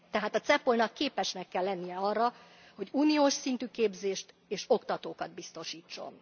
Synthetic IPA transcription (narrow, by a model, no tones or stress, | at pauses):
t̪ɛɦaːt̪ɒt̪sɛpolnɒkːeːpɛʃnɛkːɛlːɛnːijɛɒrːɒ | ho̞ɟuːnioːʃsint̪yːkeːbzeːʃt̪ | eːʃo̞kt̪ɒt̪oːkɒd̪̚bist̪o̞ʃiːt͡ʃːo̞̰n